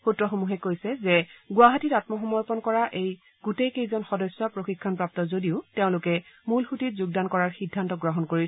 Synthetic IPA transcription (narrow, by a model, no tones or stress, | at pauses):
xutɹɔxomuɦɛkojsɛzɛɡʊwaɦatitatmɔxɔmɔɹpɔnkɔɹaʔej | ɡ̥utejkejzɔnxɔdɔsjɔpɹoxikʰːɔnpɹap̚tɔzodiʊteʊ̃lʊkɛmulxutitzuɡdankɔɹaɹxidʱːantɔɡɹɔɦɔnkoɹis